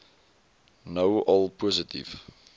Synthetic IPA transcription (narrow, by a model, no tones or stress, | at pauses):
nəwʔɔlˠpʰɔzətḭv